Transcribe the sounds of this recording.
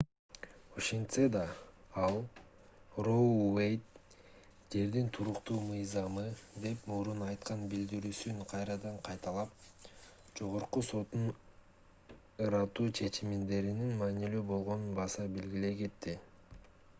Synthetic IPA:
oʃint̪sed̪ɑ | ɑlˠ | rowejt̪̚ | d͡ʒe̞ɾd̪int̪ʰuɾuqt̪uːmɯjzɑmɯd̪e̞pmuɾunɑjt̪qɑnbild̪iɾyːsynqʰɑjɾɑd̪ɑɴqʰɑjt̪ɑlˠɑp̚ | d͡ʒo̞ʁo̞ɾquso̞t̪ːun | ɯɾɑt̪ːuːt͡ʃʰe̞t͡ʃimind̪e̞ɾininmɑːnilyːbo̞lˠʁo̞nbɑsɑbelɡʲileɡe̞t̪ːi

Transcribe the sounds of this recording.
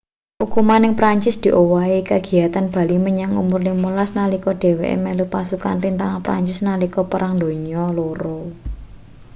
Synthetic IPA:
ʔukumanɪŋpɾaɲt͡ʃɪsd̪̥i̤ʔowaikaɡ̥i̤jat̪anb̥a̤liməɲaŋṵmʊrnɪŋmulasnalikɔɖ̥e̤wḛʔḛmɛlupasuka̰nrint̪aŋapɾa̰ɲt͡ʃɪsnalikɔpəɾaŋnd̪o̤ɲɔloɾo

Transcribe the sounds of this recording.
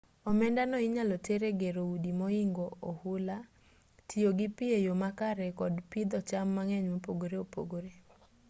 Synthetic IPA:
ɔmɛndanɔɪɲalɔteɾeɡeɾoudimɔɪŋɡoohʊla | tioɡɪpɪejomakaɾɛkɔdpid̪ɔt͡ʃamːaŋɛɲmopoɡoɾeopo̰ɡoɾe

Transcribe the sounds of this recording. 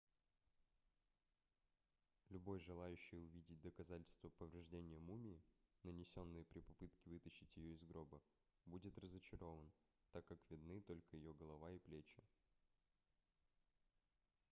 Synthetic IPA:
lʲʊbo̞jʐɨlˠajʉɕːɪjʊvʲidʲɪt̚ʲd̪əkɐzatʲɪlʲst̪vəpəvɾʲɪʐdʲenʲɪjəmumʲɪːnənʲɪsʲo̞nːɨjəpɾʲɪpɐpɨt̪kʲɪvɨt̪əɕːɪtʲjɪjo̞ɪzɡɾo̞bə | budʲɪt̪rəzət͡ɕɪɾo̞vən | t̪akːakvʲɪd̪nɨt̪o̞lʲkəjɪjoɡəlˠɐvaɪplʲet͡ɕɪ

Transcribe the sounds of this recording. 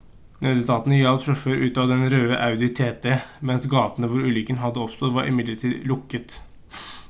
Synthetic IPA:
nøːd̪əst̪ɑːt̪nəjɪɑlt̪ʰɾɔføːɾʔʉːt̪ɑʋd̪ɛnɾøːəʔɑʉd̪ɪt̪ʰeːt̪ɛmɛnsɡɑːt̪ənəʋʊɾʉːlʏkənɦɑd̪ːəɔpst̪ɔd̪ʋɑɾʔɪ̰mɪd̪ləʈʰiːd̪lʊkːət̪

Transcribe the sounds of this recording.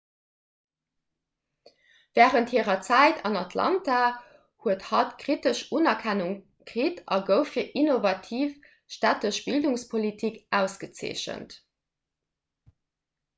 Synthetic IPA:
v̥æːʁənthiəʁɐt͡sæɪtʰɑnɑtʰlɑ̰nta | huəthɑtkʁitəʃunɐkʰænuŋ | kʁitʔɑɡəʊfiːɐʔinovɑtʰiːf | ʃtaːtəʃb̥ilduŋspʰolitʰikæʊsɡ̥ət͡sḛːɕə̰nt

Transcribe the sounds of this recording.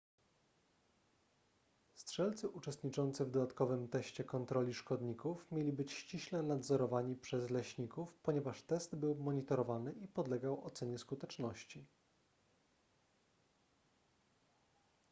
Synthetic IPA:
stʂɛlt̪sɘʔut͡ʂɛst̪ɲit͡ʂɔnt̪sɘvd̪ɔd̪at̪kɔvɘmt̪ɛɕt͡ɕɛkɔnt̪ɾɔlʲiʂkɔd̪ɲikufmʲjelʲibɘt͡ɕɕt͡ɕiɕlɛnad̪zɔɾɔvaɲipʂɛzlɛɕɲikufpɔɲɛvaʂt̪ɛsd̪bɘwmɔɲit̪ɔɾɔvanɘʔipɔd̪lɛɡawɔt̪sɛɲɛskut̪ɛt͡ʂnɔɕt͡ɕi

